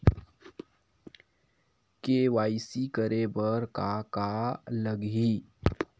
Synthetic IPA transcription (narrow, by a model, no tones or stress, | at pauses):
keːwaːɪsikəɾebəɾkakaləɡɦi